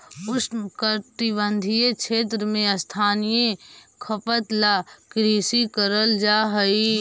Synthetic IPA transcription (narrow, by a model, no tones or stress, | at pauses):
ʊskət̪ibə̃nd̪ʱijet͡ʃʃʰeːt̪̬ɾəmẽəst̪ʰaːnijekʰəpət̪laːkɾiːsikəɾəld͡ʒaːɦəi